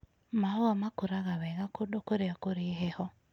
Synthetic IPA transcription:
maɔamakoɾaɣawɛɣakodɔkoɾeakoɾeɦɛhɔ

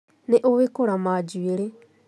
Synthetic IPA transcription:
neʔoβekoɾamaːd͡ʒweɾe

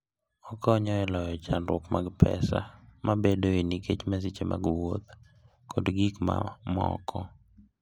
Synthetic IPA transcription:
ɔkɔɲɔɛlɔjɔt͡ʃanɾʊkmaɡpʰɛ̰sa̰mʔabedoiniket͡ʃmas̬it͡ʃemʔa̰ɡwot̪ | kɔdɡikma̰mɔ̰kʰɔ

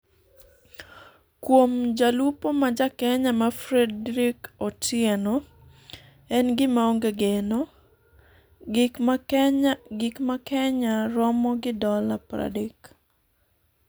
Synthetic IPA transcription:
kwomd͡ʒalupomad͡ʒakɛɲamafɾɛdɾikɔtjɛno | ɛnɡɪmaoŋɡeɡeno | ɡɪkmakɛɲaɾɔmɔɡɪdɔlapɾa̰dek

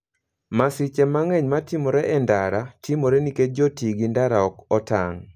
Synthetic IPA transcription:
masit͡ʃemaŋɛɲmatimoɾɛʔɛndaɾatimoɾeniked͡ʒotiɡindaɾaɔkɔta̰ŋ

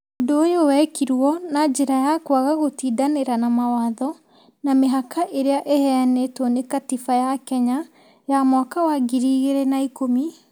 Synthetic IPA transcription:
ondoːjowɛkiɾwɔnad͡ʒeɾajakwaɣaɣotiːdaneɾanamawaðɔ | nameɦakʰaʔeɾeaʔehɛanetwɔnekatifajakɛɲa | jamɔkawaɡiɾiːɣeɾɛnaikomi

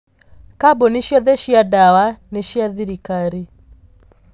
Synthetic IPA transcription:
kabɔneʃiɔðɛʃiadawaneʃiaðiɾikaɾi

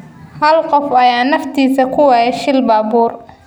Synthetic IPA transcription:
hɐlqɔfɐjaːnɐft̪ʰiːsɐkʰʊwɛːjɛʃɪlbaːbuːr

